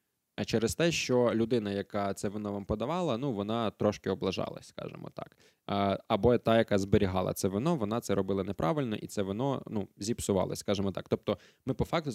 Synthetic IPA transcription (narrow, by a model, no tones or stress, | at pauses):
ɐt͡ʃɛɾest̪ɛʃt͡ʃɔlʲʊd̪ɪnɐjɐkɑt̪sɛʋɪnɔʋampɔd̪ɐʋɑlˠɐnuʋɔnɑt̪ɾɔʃkɪɔblˠɐʒɑ̰lˠɐ̰sʲskɑ̰ʒḛmɔ̰t̪ɑ̰kː | ɐbɔjt̪ɑjɐkɑzbɪɾʲiɦɑlˠɐ̰t̪sɛʋɪnɔʋɔnɑt̪sɛɾɔbɪlˠɐnepɾʔɑʋɪlʲnɔ̰ʔḭt̪sɛʋɪnɔnuzʲipsʊʋɑ̰lˠɐ̰sʲskɑʒemɔt̪ɑkt̪ɔp̚t̪ɔ | mɪpɔfɑk̚t̪ʊ